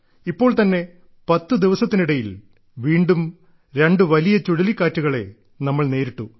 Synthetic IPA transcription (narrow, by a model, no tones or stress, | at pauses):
ipːo̞ːɭt̪ɐnːe̞ | pɐt̪ːud̪iʋɐsɐt̪ːiniɽɐjil | ʋiːɳɖum | ɾe̞ɳɖɨʋɐlijɐt͡ɕuɽɐlikːaːtːuɣɐɭe̞ | nɐmːɐɭne̞ːɾiʈːu